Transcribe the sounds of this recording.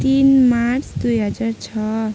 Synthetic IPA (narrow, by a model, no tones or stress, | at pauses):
t̪inmaɾt͡sʰd̪ujɦʌd͡zaɾt͡sʰʌ